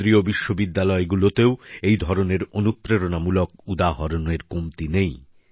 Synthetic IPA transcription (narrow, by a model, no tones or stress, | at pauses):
ɾiobiʃːobid̪ːalɔeɡulot̪eoejd̪ʱɔɾoneɾonupɾeɾonamulokud̪aɦoɾoneɾkomt̪inej